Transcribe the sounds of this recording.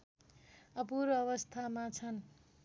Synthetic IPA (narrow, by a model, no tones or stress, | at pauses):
ʌpuɾʌβʌst̪ʰamat͡sʰʌn